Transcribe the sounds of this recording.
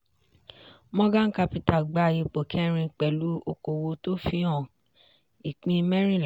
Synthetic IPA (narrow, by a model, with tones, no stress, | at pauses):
mɔ̃˦ɡã˦ka˧pi˧ta˨ɡ͡ba˧˨ji˨˧k͡po˨kʰɛ˦ɾ̃ĩ˧k͡pɛ˨lu˨˦o˧ko˨wo˧to˦fi˧˦ɔ̃˦˨ | i˨k͡pĩ˧mɛ̃˦ɾ̃ĩ˦˨l